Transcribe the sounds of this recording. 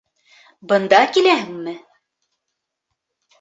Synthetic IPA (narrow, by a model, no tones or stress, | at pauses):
bɤ̆nd̪ɑkilæɦɘŋmɘ